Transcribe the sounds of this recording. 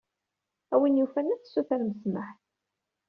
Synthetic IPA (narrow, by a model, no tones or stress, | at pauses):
æwinjufænæθsːuθæɾməsməħ